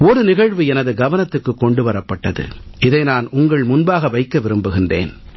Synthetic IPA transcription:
ɔɾɯnɪɣɐɻʋɯɛnɐðɯɡɐʋɐnɐt̪ːɯkːɯkːɔɳɖɯʋɐɾɐpːɐʈːɐðɯ̰ɪðɐɪnaːnʊŋɡɐɭmʊnbaːɣɐʋɐɪkːɐʋɪɾɯmbɯɣɪndrḛːn

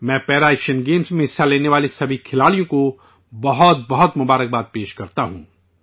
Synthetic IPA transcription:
mɛ̃ːpɛːɾaɛːkʃənɡeːmsmẽɦɪsːaleːneʋaːlisɐbʱikʰɪlaːɽijõko | bɐɦɔt̪̚bɐɦɔt̪mʊbaːɾək̚baːt̪̚peːʃkɐɾt̪aɦṵ̃ː

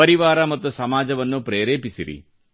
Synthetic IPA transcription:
ɐɾiʋaːɾɐmɐt̪ːusɐmaːd͡ʒɐʋɐnːupɾeːɾeːpisiɾḭ

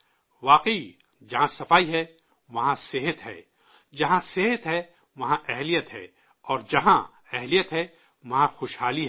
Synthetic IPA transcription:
ʋaːqəi | d͡ʒɐɦãsɐfaːiɦɛ | ʋɐɦãsɪɦət̪ɦɛ̰ː | d͡ʒɐɦãseɦət̪ɦɛ | ʋɐɦãʔɛɦlijət̪ɦɛ̰ː | ɔːɾd͡ʒɐɦã | ɛɦlijət̪ɦɛ | ʋɐɦãxoːʃhaːliɦɛ

